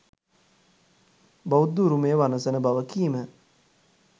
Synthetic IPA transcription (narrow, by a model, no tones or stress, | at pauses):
bawud̪uɾumejəʋanəsənəbaʋəkiːmə